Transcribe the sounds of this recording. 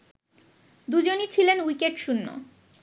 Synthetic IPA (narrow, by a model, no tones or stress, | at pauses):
d̪ud͡ʑonit͡ɕʰilenwikeʈʃunːo̰